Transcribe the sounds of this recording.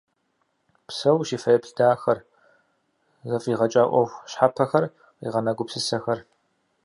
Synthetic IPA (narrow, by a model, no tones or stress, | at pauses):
psɐwʃiːfɐjɐpɬdaːxɐr | zɐfʼiːʁɐt͡ʃʼaːʔʷɔxʷɕħapʰɐxɐr | qḭːʁɐnɐɡʷʊpsɨsɐxɐr